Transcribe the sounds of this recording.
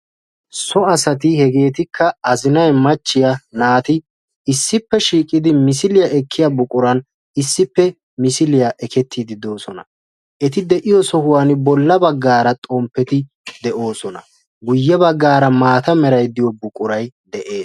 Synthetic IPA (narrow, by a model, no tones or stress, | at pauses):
sɔɐsɐt̪̬ɪhɛɡe̞ːt̪ɪkːɐɐzɪnɐjmɐt͡ʃːɪjɐnaːt̪ɪ | ɪsːɪpːɛʃiːkʼɪd̪ɪmɪs̬ɪlɪjɐʔɛkʰːɪjɐbʊkʼʊɾɐn | ɪsːɪpːɛ | mɪsɪlɪjɐʔɛkʰɛt̪ːiːd̪ɪd̪o̞ːsɔnɐ | ʔɛt̪ɪd̪ɛʔɪjɔsɔhʊwanbɔlːɐbɐɡːaːɾɐt̪ʼɔmpːɛt̪ɪ | d̪ɛʔo̞ːsɔnɐ̰ | ɡʊjːɛbɐɡːaːɾɐmaːt̪ɐmɛɾɐjd̪ɪjɔbʊkʼʊɾɐjd̪ɛʔe̞ː